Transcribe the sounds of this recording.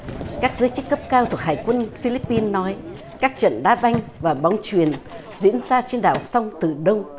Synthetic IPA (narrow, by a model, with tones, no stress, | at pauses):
kaː˦˥k̚zəː˨˦jt͡ɕɨ˦˥kːə˦˥p̚kaː˧wt̪ʰu˨˩ək̚ɦaː˨˩jkwə˧nfi˧li˦˥pːi˧nːɔ˨˦j | kaː˦˥k̚t͡ɕə̰˧˨nɗaː˨˦ɓa˧jŋ̟vaː˨˩ɓa˨˦wŋ͡mt͡ɕwi˨˩ən | zḭ˧˥ənzaː˧t͡ɕe˧nɗa̰ː˧˨wsa˧wŋ͡mt̪ɨ˨˩ɗə˧wŋ͡m